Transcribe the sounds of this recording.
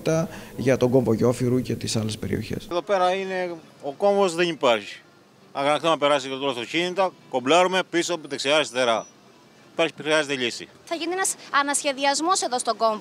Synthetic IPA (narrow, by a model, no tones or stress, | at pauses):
t̪ɐʝɐt̪o̞ɡo̞ɱvo̞ʝo̞fiɾucet̪isɐle̞spe̞ɾḭo̞̰çe̞̰seðo̞peɾɐine̞oko̞ɱvo̞zðenipɐɾçi̥ | ɐɣɐnɐkθonɐpe̞ɾɐsiɐt̪t̪olft̪ocinit̪ɐko̞blɐɾumepisoput̪eksiɐzesθeɾɐ | ipɐɾçi̥pxɾiɐzet̪eʎisḭ | θɐʝinienɐsɐnɐsçe̞ðiɐzmo̞se̞ðost̪o̞ɡo̞ɱv